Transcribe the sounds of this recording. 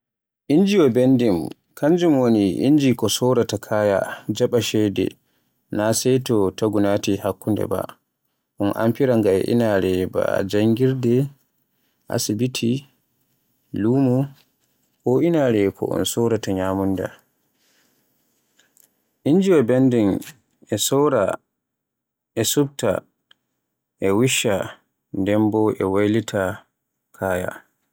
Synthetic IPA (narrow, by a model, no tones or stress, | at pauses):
ʔind͡ʒiwɔbendim | kʰaɲd͡ʒumwoniʔḭɲd͡ʒikɔsɔwɾatakʰaja̰d͡ʒaɓaʃɛdɛ̰ | nasɛjtɔtaɡunatihakːundɛ̰ba̰ | ʔɔnʔa̰mpiɾaŋɡaɛ̰ʔḭnaɾɛba̰d͡ʒaŋɡiɾdɛ | ʔa̰sibitʰi | luːmu | ɔʔinaːɾɛkʰɔ̰ʔɔ̰nsɔɾataɲaːmunda̰ | ʔiɲd͡ʒiwabendɛn | ɛsɔwɾa̰ | ɛsubta̰ | ʔɛwiʃa | ndɛmbɔʔɛwajlitʰa | kʰaːja̰